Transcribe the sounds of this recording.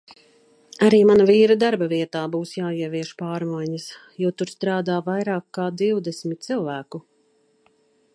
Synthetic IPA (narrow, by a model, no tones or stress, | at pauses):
aɾiːmanaviːɾad̪aɾbaviɛt̪aːbuːsjaːiɛviɛʃpaːɾmajɲɐs | juɔt̪uɾst̪ɾaːd̪aːvajɾaːkːaːd̪iwd̪ɛsmit̪̚t̪silˠvæːku